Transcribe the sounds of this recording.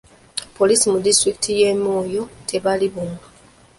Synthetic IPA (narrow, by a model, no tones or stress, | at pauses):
polisimudistɾiki̥tʰije̞moːjo̞tʰe̞βaliβunu